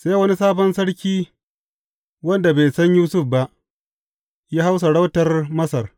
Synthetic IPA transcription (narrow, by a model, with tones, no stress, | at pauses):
seː˦wɐ˦ni˦saː˦bɐ˦nsɐ˦ɽkʲiː˦ | wɐ˦nda˨be˨jsɐ˦ɲjuː˦sʊ˦fba˦ʔ | jaː˦ha˦ws̬a˨ɽa˦wtɐ˦rmɐ˦sɐ˨r